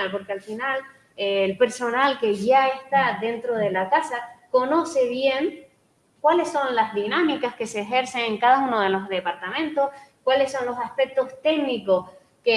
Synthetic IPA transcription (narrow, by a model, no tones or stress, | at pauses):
lpo̞ɾkealfinal | eːlpe̞ɾso̞nalke̞ʝaest̪aðe̞nt̪ɾo̞ð̞e̞lakasako̞no̞se̞βje̞ŋ | kwale̞sːo̞nlazðinãmikaske̞se̞ːxe̞ɾse̞ŋeŋkað̞aunoð̞e̞lo̞zðe̞paɾt̪amẽnt̪o̞skwale̞sːo̞nlo̞saspe̞k̚t̪o̞st̪e̞ɡniko̞s | ke